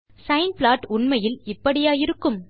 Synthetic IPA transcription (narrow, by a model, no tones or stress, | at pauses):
sɐɪnplaːʈʊɳmɐjɪlɪpːɐɽɪjaːjɪɾɯkːɯm